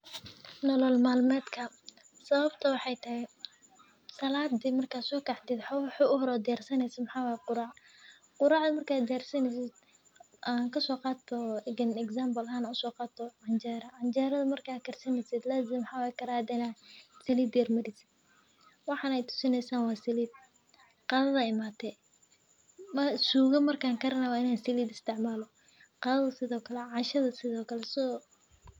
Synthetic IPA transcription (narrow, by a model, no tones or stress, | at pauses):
nɔlɔlmaːlmɛːd̪kʰɐ | sɐβɐbt̪ʰɐwɑħɑjt̪ʰɐɦhɛ | sɐlaːd̪ɪmɐrkʰaːsɔːkʰɑħd̪ɪd̪ħɔħʊʔʊɦɔɾɔːd̪ɪjaːrsɐnɛjsɐmħaːwaːjɛqʊɾɑːʕ | qʊɾɑːʕd̪ʊmɐrkʰaːd̪ɪjaːrsɐnɛsɪd̪̚ | ʔaŋkʰɐsɔːqɑːt̪ʰɔɛɡɐnɛɡsaːmbɐlaːnaʊsɔːqɑːt̪ʰɔʕɑnd͡ʒɛɾɐʕɑnd͡ʒɛːɾɐðɐmɐrkʰakʰɐrsɐnɛsɪd̪laːzɪmħawakʰɐɾaːd̪ɛnasɐliːd̪jɐrmɐɾɪsɪd̪ | wɑħɑnɛjt̪ʰʊ̥sɪnɛjsaːnwɑːsɪliːd̪̚ | qɑːðɐðɐɪmaːt̪ʰɛ | msuːɣɐmɐrkʰaːŋkʰɐɾɐnawaːɪnaːnsɪliːd̪ɪst̪ʰɪʕmaːlɔ | qɑːðɐðɐsɪðɔːkʰɐlɛʕɑʃɐðɐsɪðɔːkʰɐlɛsɪɔ